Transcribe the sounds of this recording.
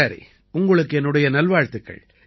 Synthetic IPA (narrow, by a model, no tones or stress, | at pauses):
aɾḭ | ʊŋɡɐɭɯkːɯɛnːɯɽɐjɐnɐlʋaːɻt̪ɯkːɐ̰ɭ